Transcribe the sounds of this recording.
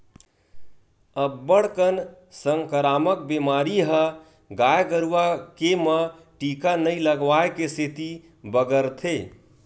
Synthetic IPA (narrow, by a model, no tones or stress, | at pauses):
əbːəɽkən | səŋkəɾamək̚bemaɾiɦə | ɡajɡəɾuwakemə | ʈikanəjləɡʋaekeset̪i | bəɡəɾt̪ʰe